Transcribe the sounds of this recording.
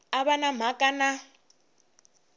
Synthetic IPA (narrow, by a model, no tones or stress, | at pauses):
aβanam̤akʼana